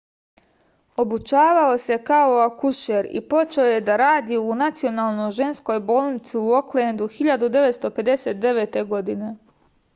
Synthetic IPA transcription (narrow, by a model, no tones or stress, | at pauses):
o̞but͡ʃaːʋaose̞kaoakuʃeɾḭpo̞t͡ʃe̞oje̞d̪aɾaːd̪iunat̪sio̞naːlˠnoʒe̞nsko̞jbo̞ːlˠnit̪siuo̞klend̪uxiʎad̪ud̪e̞ʋet̪st̪o̞pe̞d̪e̞se̞ːt̪̚d̪e̞ʋet̪e̞ɡo̞d̪ine̞